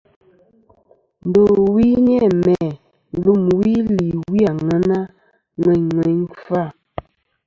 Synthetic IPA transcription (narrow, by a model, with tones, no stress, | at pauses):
n̩˨do˨wi˦ɲɛ˦˨mɛ˨˦ | lu˦˨mwi˦li˨wi˦a˨ŋə˨˦na˦ | ŋwɛ˨ɲŋwɛ˨˦ɲfa˦˨